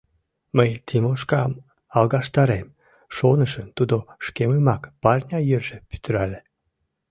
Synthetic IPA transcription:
məjt̪ʲʰimoʃkɑm | ɑlɣɑʃt̪ɑɾem | ʃonəʃənt̪ud̪oʃkeməmɑkpɑrnʲɑjørʒepy̥t̪əɾælʲe

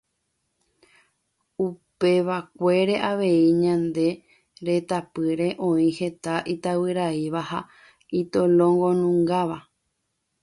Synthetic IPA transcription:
upe̞ʋakʷe̞ɾe̞ʔaʋe̞iɲãnd̪e̞ | ɾe̞t̪apɨɾe̞ʔõ̞ĩhe̞t̪aʔit̪awɨɾaiʋaha | it̪olõ̞ŋɡo̞nũŋɡaʋa

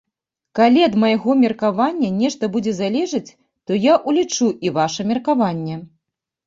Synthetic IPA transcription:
kalʲiɐd̪mɐjaɣɔmʲɛrkavanʲːɐnʲɛʂt̪ɐbud͡zʲɛzalʲɛʐɐt͡sʲ | t̪ɔjaʔulʲit͡ʂuʔivaʂɐmʲɛrkavanʲːɛ

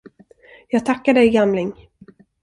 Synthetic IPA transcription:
jɑːɡ̚t̪ʰakːaɖɛjɡamlɪŋ

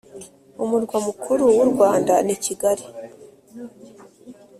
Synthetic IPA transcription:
umuɾɡwamukʰuɾuwuɾɡwaːndaniciɡaɾi

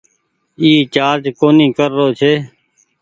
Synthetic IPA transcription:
iːt͡ʃaːɾd͡ʒkoːnĩːkəɾːoːt͡ʃʰeː

